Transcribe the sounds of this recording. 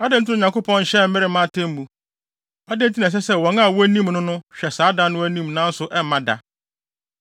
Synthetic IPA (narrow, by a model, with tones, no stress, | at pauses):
a˦dɪ̃˦n̩˦tʰɪ̃˦˨ɲã˨ko˦pʰɔ̃˦n̩˦ɕɛ˦m̩˦mɪ˦ɾɪ˨˦mã˦˨tʰẽ˦m˦mũ˨ | a˦dɪ̃˦n̩˦tʰi˦nã˨s̬ɛ˦sɛ˦˨wɔ̃˨na˦˨wɔ˦æ˦nĩ˦mnʊ̃˦nʊ̃˦ɕᶣɛ˨saː˨˦dã˦nʊ̃˦æ˦nĩ˦˨mnã˦n̩˦sʊ˨ʔɛ˦m˦mã˦da̰˨